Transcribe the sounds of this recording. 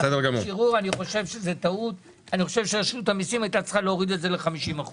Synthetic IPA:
sed̪eʁɡamuʃiʁuʁaniχo̞ʃe̞vʃeze̞t̪aut | aniχo̞ʃevʃeaʃnutamisimajtatt͡slχaleoʁid̪e̞tze̞leχamiʃimaχu

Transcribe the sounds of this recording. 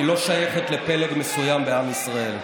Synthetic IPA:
ilo̞ʃajeχet̪lepeleɡmesujambeamisʁae̞l

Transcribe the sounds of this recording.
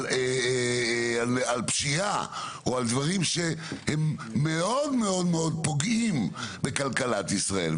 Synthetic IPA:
e | alalpʃia | oald̪vaʁimʃehemːe̞o̞d̪me̞o̞d̪meo̞d̪̚po̞ɡimbekalkalat̪isʁae̞̰l

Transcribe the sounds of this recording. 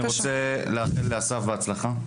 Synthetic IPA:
ʁot͡seleaχilleasafbeat͡slaχa

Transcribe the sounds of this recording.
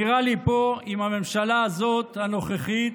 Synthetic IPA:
iʁalipo̞imame̞mʃalaːzo̞t̪hano̞χeχit̪

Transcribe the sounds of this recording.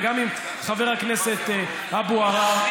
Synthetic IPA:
ɡamim | χaveʁhakneset̪ | abuaʁa

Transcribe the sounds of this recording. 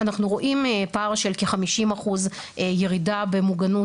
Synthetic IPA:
anaχnuʁo̞ʔimpaʁʃelkeχamiʃimaχuz | ʔejeʁidabe̞muɡanu

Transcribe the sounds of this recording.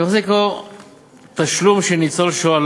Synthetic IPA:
oχseko | t̪aʃlumʃenit͡solʃoal

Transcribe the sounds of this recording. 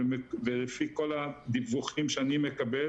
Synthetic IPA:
mevelefiko̞lad̪ivuχimʃeanimekabe

